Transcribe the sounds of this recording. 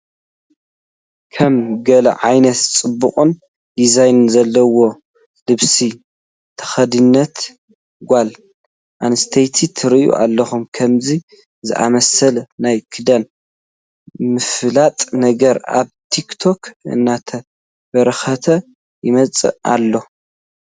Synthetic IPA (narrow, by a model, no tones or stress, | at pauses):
kʰɐmɡɐlɐ̰ʕajnɐt̪t͡sʼɨbːṵkʼun | dizajnzɐlːɐwo̞ | lɨβsi | t̪ʰɐ̥xɐd̪ɨnːɐt̪ | ɡʷal | ʔanɨst̪ʰejt̪ʰit̪ʰɨɾijṵʔa̰lːɐxumkʰɐmzi | zɨ̰ʔa̰mɐsɐlnajkʰɨd̪ɐn | mɨflat̪ʼnɐɡɐɾa̰βt̪ʰikt̪ʰo̞kʰɨ̰nːat̪ʰɐ | bɐɾɐxɐt̪ʰɐ | jɪmɐt͡sʼɨ̰a̰lːo̞